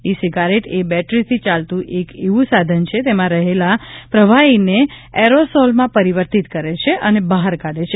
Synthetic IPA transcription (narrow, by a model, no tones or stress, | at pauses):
isiɡaɾeʈebɛʈɾit̪ʰit͡ʃalt̪ũʔekeʋũsad̪ʱənt͡ʃʰet̪emãɾəɦelapɾəʋaineɛɾosɔlmãpəɾiʋəɾt̪it̪kəɾet͡ʃʰeʔənebaɦaɾkaɽet͡ʃʰe